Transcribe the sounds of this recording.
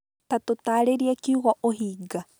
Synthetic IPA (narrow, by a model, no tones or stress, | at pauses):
tatotaːɾeɾiakiuɣɔʔoɦiːɡa